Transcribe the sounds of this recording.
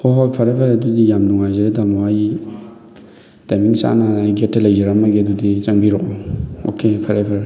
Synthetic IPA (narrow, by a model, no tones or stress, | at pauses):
xɔhɔfaɾɛfaɾɛdudijamuad͡ʒɛɾɛdamawaji | tamisa̰naɡɛtɛlɛd͡ʒɛɾamaɡɛduditaŋbiɾʊɔo̰kefaɾɛfaɾɛ